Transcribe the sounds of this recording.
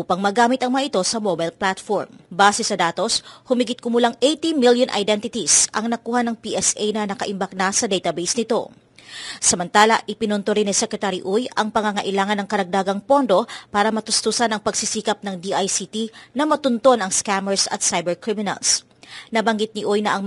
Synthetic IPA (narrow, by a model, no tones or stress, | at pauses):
ʔuːpɐŋmɐɡaːmɪt̪ɐŋmɐŋaʔɪt̪o̞sɐmobajlplat̪foɹmbaːsɛsɐd̪aːt̪o̞shʊmiɡɪt̪̚kʊmʊlaŋʔejt̪imiljonʔɐ̰jd̪ɛnt̪ɪt̪isʔɐŋnɐkuːhɐnɐŋpiʔɛsʔɛjnɐnɐkɐʔɪmbɐk̚nasɐd̪ɛjt̪ɐbejsnɪt̪o̞̰ | sɐmɐnt̪aːlɐ̰ʔɪpɪnʊnt̪oɾɪnːɐsɛkɾɛt̪aːɾiʔujɐŋpɐŋɐŋɐʔɪlaːŋɐnːɐŋkɐɾɐɡ̚d̪aːɡɐŋpo̞nd̪o̞paːɾɐmɐt̪ʊst̪usanɐŋpɐɡsisiːkɐp̚nɐŋd̪iʔajsit̪inɐmɐt̪ʊnt̪o̞nɐŋskamɛɹsɐ̰t̪̚sajbɛɹkɾimɪnɐ̰ls | nɐbɐŋɡit̪̚nɪʔojnɐʔɐŋ